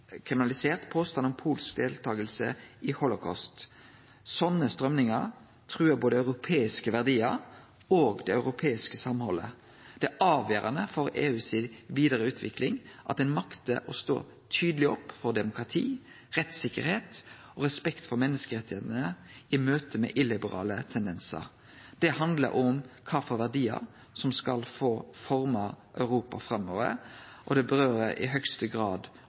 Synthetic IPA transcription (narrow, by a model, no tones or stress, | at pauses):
kʰʁɪmɪnɑlɪseːʁt̪pʰoːst̪ɑnɔmpʰuːlskd̪eːlt̪ʰɑːɡəlsə̰ɪhɔlʊkʰɑ̰st̪ | sɔnːəst̪ɾœmnɪŋəʁ | t̪ʰʁʉːəboːd̪əɑʉɾʊpʰeːɪskəʋæʁd̪iːəɾ | oːɡd̪ɛɑʉɾʊpʰeːɪskəsɑmhɔlːə̰ | d̪̥ɛʔɑːʋjøːɾɑnəfɔɾeːʉːsɪʋiːd̪əʁəʉːt̪ʰʋɪ̰klɪŋʔɑt̪̚d̪ɛnmɑkt̪əʔɔst̪o̰ː | t̪ʰyːd̪əlɪɔpːfɔʁd̪ɛmʊkɾɑt̪ʰḭː | ʁɛt̪sɪkːəɾheːt̪ | ɔɾɛspɛkt̪fɔɾmɛnːəskəɾɛt̪ːɪeːt̪ənəɪmøːt̪əmɛ̰ʔɪlɪbəɾɑ̰ːlət̪ʰɛnd̪ɛnsə̰ɾ | d̪̥ɛhɑnd̪lə̰ɾʔʊmkʰɑːfɔɾʋæʁd̪iːə̰ɾ | sɔmskɑlfoːfɔɾmɑʔœʉɾuːpɑfɾɑmo̰ːʋə̰ɾʔɔd̪ɛbəɾøːɾəɾʔɪ̰ɦœkst̪əɡɾɑːd̪